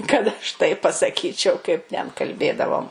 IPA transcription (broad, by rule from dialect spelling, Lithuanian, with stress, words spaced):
kɐt ɐʃ ˈtɐɪp pɐsɐˈkʲiːt͡ʃʲɛʊ kɐɪp tʲɛn kɐlʲˈbʲeːdɐʋoːm